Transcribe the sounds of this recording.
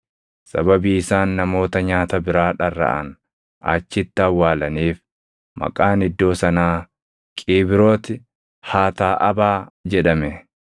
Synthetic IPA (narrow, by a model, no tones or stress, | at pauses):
sɐbɐbiːɪsaːnːɐmo̞ːt̪ɐɲaːt̪ɐbɪɾaːᶑɐrːɐ̰ʔɐ̰n | ʔɐ̰t͡ʃːɪt̪ːɪɐwːaːlɐniːf | mɐ̰kʼaːnɪd̪ːo̞ːsɐnaː | kʼiːbɪɾo̞ːt̪ɪ | haːt̪aːʔɐbaːd͡ʒɛᶑɐmɛ